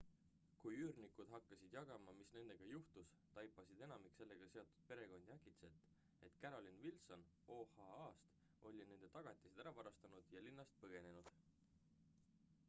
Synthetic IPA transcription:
kujyːɾnikud̪̥ɦɑkːɑsʲid̪̥jɑɡ̥ɑmɑmisne̞nd̪̥e̞ɡ̥ɑjuht̪us | t̪ɑjpːˑɑsid̪̥e̞nɑmikse̞lːe̞ɡ̥ɑse̞o̞t̪ːˑu̥d̪̥̚pe̞ɾe̞ɡ̥o̞nʲd̪̥jækit̪se̞t̪ːˑ | e̞t̪kæɾo̞lʲinvilso̞n | oːhɑɑːst̪ | o̞lʲine̞nd̪̥e̞t̪ɑɡ̥ɑt̪ʲːˑisid̪æɾɑvɑɾɑst̪ɑnud̪̥jɑlinːɑst̪̚pɤɡ̥e̞ne̞nud̪̥

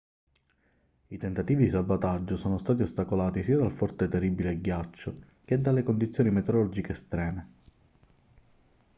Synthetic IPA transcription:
it̪ent̪at̪iːvid̪isalvat̪ad͡ʒːosoːnost̪aːt̪iost̪akolaːt̪isiːad̪alfɔrt̪et̪eribileɡjat͡ʃːo | k̟ed̪ːalːekond̪it̪sːjoːnimet̪eɾɔɾd͡ʒikeːst̪ɾɛːme

